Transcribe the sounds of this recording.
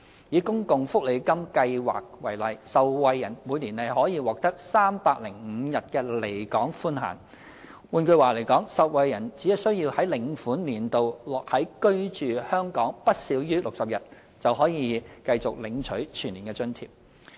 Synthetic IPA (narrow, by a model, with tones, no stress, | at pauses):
jiː˨˥kʊ˥ŋkʊ˨ŋfʊ˥k̚le˨˧kɐ˥mkɐ˧jwa̰ː˨k̚wɐ˨˩jlɐ˨˩jsɐ˨wwɐ˨˧jːɐ˨˩nmuː˨˧niː˨˩nhɐ˨jɦɔː˨˥jiː˧wɔː˨k̚t̪ɐ˥k̚saː˥mpaː˧k̚lɪ˨˩ŋ̩˨˧jɐ˨t̚kɛː˧le˨˩jkɔː˨˥ŋfuː˥nɦa̰ː˨˩n | wuː˨˧nkɵ˧ɥwaː˨˩le˨˩jkɔː˨˥ŋsɐ˨wwɐ˨˧jjɐ˨˩nt͡siː˨˥ɐ˨sɵ˥ɥji˧whɐ˨˥jlɪ˨˩ŋfuː˨˥nliː˨˩nt̪o˨wlɔː˨k̚hɐ˨˥jkɵ˥ɥt͡ʃyː˨˩hœː˥ŋkɔː˨˥ŋpɐ˥t̚siː˨˥wjyː˥lʊ˨k̚sɐ˨p̚jɐ˨t̚ | t͡sɐ˨wɦɔː˨˥jiː˨˧kɐ˧jt͡sʊ˨k̚lɪ˨˧ŋt͡ʃʰɵ˨˥ɥt͡ʃʰyː˨˩nliː˨˩kɛː˧t͡ʃɵ˥nt̪ʰḭː˧˩p̚